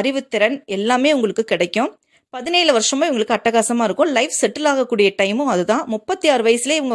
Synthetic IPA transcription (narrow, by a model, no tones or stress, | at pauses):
ɐɾɪʋɯt̪ːɪɾɐnɛlːaːmeːʊŋɡɐɭɯkːɯkɪɽɐɪkːʊ̃ | pɐðɪneːlɯʋɐɾʂɐmaːɪʋʊŋɡɐɭɯkːɯɐʈːɐɣaːsɐmaːɪɾɯkːʊ̃lɐɪfsɛʈːɪlaːɣɐkːuːɽɪjɐʈɐɪmɯ̃ɐðɯt̪ãːmʊpːɐt̪ːijaːɾɯʋɐjɐsɪleɪʋɐŋɡɐ